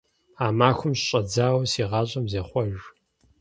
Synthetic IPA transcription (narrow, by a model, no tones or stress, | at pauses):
aːmaːxʷʊmɕɕʼɐd͡zaːwsiːʁɑːɕʼɐmzeːχʷɔʒ